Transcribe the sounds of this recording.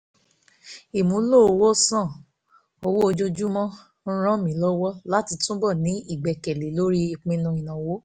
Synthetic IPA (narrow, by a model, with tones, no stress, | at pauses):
i˨mũ˨˦lo˦˨o˧wo˦sã˦˨ | o˧wo˦o˧d͡ʒo˦d͡ʒu˦mɔ̃˦ | n̩˦ɾ̃ã˦mĩ˨˦lɔ˦wɔ˦la˦ti˧tũ˦bɔ˦˨nĩ˨˦i˦˨ɡ͡bɛ˨kɛ˨le˨˦lo˦ɾi˦i˧˨k͡pĩ˧nũ˧i˨nã˨wo˨˦